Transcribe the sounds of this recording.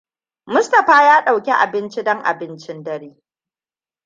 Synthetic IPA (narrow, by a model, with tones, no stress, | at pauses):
mʊ˦stɐ˨ɸaː˦jaː˦ɗa˨wkʲe˦ʔa̰˨bɪ˦nt͡ʃi˦dɔ˦ŋʔa̰˨bɪ˦nt͡ʃɪ˦ndɐ˦ɾeː˦